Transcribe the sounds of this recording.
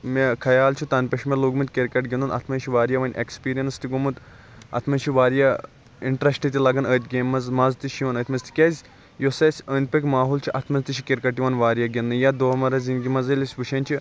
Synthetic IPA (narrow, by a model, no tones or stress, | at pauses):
mekʰɐjaːlt͡ʃʰut̪ɐnpʲɐʃmʲeloɡmɨnt̪ʲkʲeɾkɐʈɡʲinunɐ̰t̪ʰmɐnt͡ʃʰiʋaːɾjɐʋɐnʲʔekspiːɾijɐnst̪iɡomɨt̪ | ɐ̰t̪ʰmɐnʲt͡ʃʰiʋaːɾjɐ | iɳʈɾɐsʈɨt̪ʲilɐɡɐnəːt̪ʰʲɡʲeːmːɐzmɐzt̪iʃiʋɐnɐːt̪ʰmɐzt̪ʰi̥kʲɐzʲ | josɐsʲəːnʲpʲɐkʲmaːɦult͡ʃʰiʔɐt̪ʰmɐnzt̪iʃʰikʲiɾkɐʈːiʋɐnʋaːɾjɐɡʲinːɨjad̪oːmɐɾɐzʲinɡʲimɐzɐlʲisʲʋɨʃʰɐnʲt͡ʃʰi